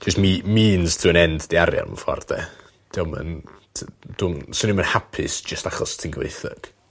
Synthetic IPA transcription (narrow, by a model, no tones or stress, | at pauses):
d͡ʒɪstmimiːnstʰuːənɛndd̥eaɾja̰nmə̰fɔ̰rdɛ̰ | d̥ɪwmə̰ntʰd̥ʊnsʊnimənhapʰɪ̰sd͡ʒəstaχɔstʰiːnɡvḛjθə̰ɡ̥